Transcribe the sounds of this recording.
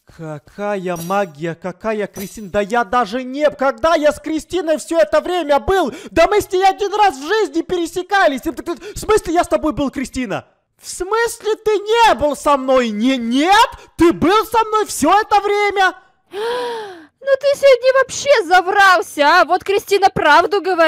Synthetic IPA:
kɐkʰajəmaɡʲɪjəkɐkajəkɾʲɪsʲtʲinəd̪əjad̪aʐɨnʲekɐɡ̚d̪ajaskɾʲɪsʲtʲinəjfsʲoɛt̪əvɾʲemʲəbɨlˠd̪əmɨsʲlʲɪjaɐdʲinrasvʐɨzʲnʲɪpʲɪɾʲɪsʲɪkalʲɪsʲt̪k̪fsmɨsʲlʲɪjast̪ɐbo̞jbɨlˠkɾʲɪsʲtʲinə̰ | fsmɨsʲlʲɪt̪ɨnʲebɨlˠsɐmno̞jnʲenʲet̪ːɨbɨlˠsɐmno̞jfsʲoɛt̪əvɾʲemʲə | nut̪ɨsʲodʲnʲɪvɐpɕːezɐvrɑlˠsʲəvo̞t̪kɾʲɪsʲtʲinəpɾavd̪ʊɡəvɐ

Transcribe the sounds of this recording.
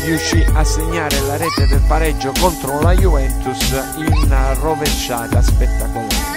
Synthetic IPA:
riuʃːiasːeɲːaːɾɪlaɾɛːt̪ed̪elpaɾɛd͡ʒːokɔnt̪ɾʊlajuvɛnt̪us | inrovent͡ʃːaːt̪aspɛt̪ːakɔla

